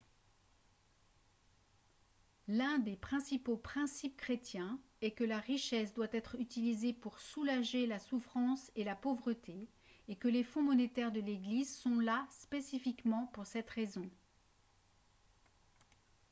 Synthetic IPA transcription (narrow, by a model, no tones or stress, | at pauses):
lɛ̃d̪epχɛ̃sipopχɛ̃sip̚kχet̪jɛ̃ | ɛkəlaʁiʃɛsd̪wat̪ɛt̪χyt̪ilizepuʁsulaʒelasufχɑ̃selapovʁət̪ʰeː | kəlefɔ̃mɔnet̪ɛʁd̪əleɡlizsɔ̃laspesifikmɑ̃puʁsɛt̪ʁezɔ̃